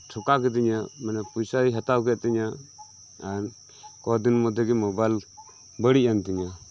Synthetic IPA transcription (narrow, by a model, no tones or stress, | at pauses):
tʰukaɡɛd̪iɲamanɛpujsaiɦat̪awɡɛt̪̚t̪iɲa | aɾ | kɔd̪inmɔd̪ɛɡɛmɔbajl | bəɽiʔant̪iɲa